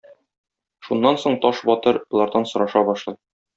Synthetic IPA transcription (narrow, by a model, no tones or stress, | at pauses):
ʃunːɑnsoɴt̪ɒʃbɒt̪ɤɾɒ̆lˠɑɾd̪ɑnsŏɾɑʃɑbɒʃlˠɤj